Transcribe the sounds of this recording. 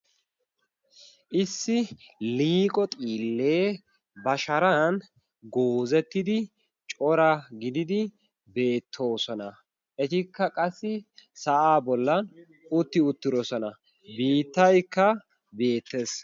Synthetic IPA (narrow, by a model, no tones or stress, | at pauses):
ʔɪsːɪliːkʼɔt̪ʼiːlːeː | bɐʃɐɾɐn | ɡoːzɛt̪ːɪd̪ɪ | t͡ʃʼɔɾɐɡɪd̪ɪd̪ɪ | be̞ːt̪ʰːo̞ːsɔnɐ | ʔɛt̪ɪkːɐkʼɐsːɪsɐʔaːbɔlːɐn | ʊt̪ːɪʊt̪ːɪɾɔsɔnɐ | biːt̪ːɐjkːɐ | be̞ːt̪ːes